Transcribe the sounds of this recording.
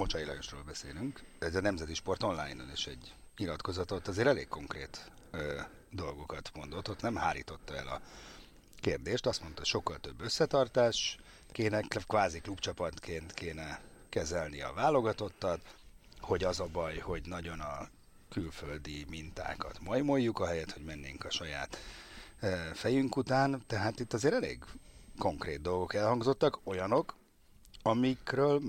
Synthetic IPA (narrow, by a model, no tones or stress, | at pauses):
mo̞t͡ʃɒjilɒjoʃro̰ːlbɛseːlyŋkɛzɒnɛmzɛt̪iʃpo̞rt̪o̞nla̰ːjnoneːʃɛɟː | ɲilɒt̪ko̞zɒt̪ot̪ːɒzeːɾɛleːkkːo̞ŋkreːt̪ː | d̪o̞lɡo̞kɒt̪mo̞nd̪o̞t̪ːot̪nɛmhaːlḭːt̪o̞t̪ːɒɛlɒ̰ | keːrd̪eːʃt̪ɒst̪mo̞nt̪ɒɦocʃo̞kːɒlt̪ø̞bːø̞sːɛt̪ɒrt̪aːʃ | keːnɛkkʋaːziklupt͡ʃɒpɒt̪kʰeːnt̪kʰeːnɛkɛzɛlniɒ̰vaːlo̞ɡɒt̪o̞t̪ːɒt̪ | ho̞ɟɒzɒbɒjho̞ɟnɒɟo̞nɒ | kylføld̪imint̪a̰ːkɒt̪mɒjmo̞jːukɒɦɛjɛt̪ho̞ɟmɛnːeːŋkɒʃɒja̰ːt̪ː | fɛjyŋkut̪aːnt̪ɛɦaːt̪it̪ːɒzeːɾɛlḛːɡko̞ŋkrḛːd̪̚d̪o̞lɡo̞kɛlhɒŋɡzo̞t̪ːɒko̞jɒno̞k | ɒmikrøːl